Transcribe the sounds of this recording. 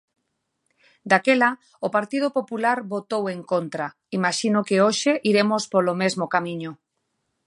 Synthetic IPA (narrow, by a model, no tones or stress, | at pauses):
d̪akela | opaɾt̪ið̞opopulaɾβot̪oweŋkont̪ɾa | imaʃinokeoʃeʔiɾemospolomezmokamiɲo